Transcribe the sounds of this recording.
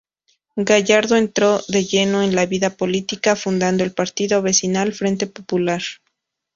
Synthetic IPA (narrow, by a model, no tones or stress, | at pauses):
ɡaʝaɾðo̞e̞nt̪ɾo̞ðe̞ʝe̞no̞enlaβiðapo̞lit̪ikafund̪and̪oelpaɾt̪iðo̞βe̞sinalfɾe̞nt̪e̞populaɾ